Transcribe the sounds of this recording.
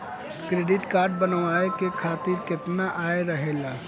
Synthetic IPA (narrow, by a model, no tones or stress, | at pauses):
kɾeːɖɪʈkaːɾɖ̚bənʋaːekekʰaːt̪ɪɾkɪt̪naʔaːeɾɐɦeːlaː